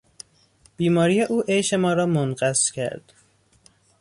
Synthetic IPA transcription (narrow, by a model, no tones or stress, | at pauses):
b̥iːmɒːɾijeʔuːʔejʃemɒːɾɒːmonɢæscʰæ̰ɾd̪̥